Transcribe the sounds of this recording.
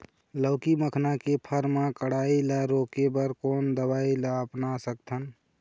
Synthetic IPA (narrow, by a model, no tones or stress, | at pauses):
ləʊkiməkʰnakepʰəɾmãkəɽ̤ailəɾokebəɾkoːnd̪əbailaəpnasək̚t̪ʰən